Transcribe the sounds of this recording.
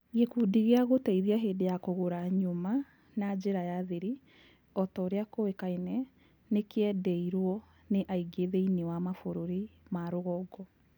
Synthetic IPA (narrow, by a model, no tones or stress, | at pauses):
ɣekuːdiɣeaɣotɛiðiaɦedejakoɣoɾaɲoma | nad͡ʑeɾajaːðeɾi | ɔtɔːɾeakowekainɛ | nekeɛdɛiɾwɔ | neʔaiɡeðeinewamafoɾoɾimaɾoɣɔɡɔ